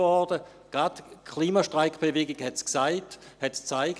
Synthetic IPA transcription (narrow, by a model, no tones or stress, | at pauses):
ɔdə | ɡ̥ʁatkʰliːmaʃtʁaɪkb̥eveːɡɪɡhɛtsksaɪthɛtst͡saɪk